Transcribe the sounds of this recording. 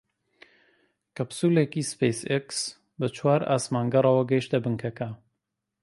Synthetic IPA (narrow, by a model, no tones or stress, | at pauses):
kɐbsuːlekispejseks | bɨt͡ʃʰwaːɾa̰ːsmaːŋɡɐrˤɑwɐɡɐjʃt̪ɐbɨŋkʰɐkɐ